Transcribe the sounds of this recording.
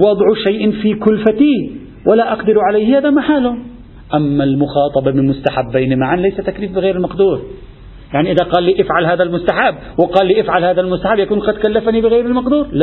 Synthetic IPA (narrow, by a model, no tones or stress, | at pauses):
wɑd̪ˤʕʃajʔɪnfikʊlfat̪i | wʔalaʔɑqd̪ɪɾʕalajhhaːðamaħaːlʊ | ʔamːalmʊxɑːt̪ˤɑbɑmɪnmʊst̪aħabːajnimaʕanlajsat̪akliːfbɪɣeːɾɪlmɑqd̪uːɾ | jaʕniʔɪðaqɑːlːiːʔɪfʕalɦaːðalmʊst̪aħabːwɪqɑːlːiːʔɪfʕalhaːðalmʊst̪aħabjakuːnqɑd̪kalːafanibɪɣeːɾɪlmɑqd̪uːɾl